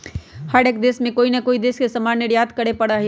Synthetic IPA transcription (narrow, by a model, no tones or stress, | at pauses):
həɾeːkd̪eːsmẽkoːinɐkoːid̪eːskesɐmaːneɽjaːt̪kɐɽepɐɽaɦɛ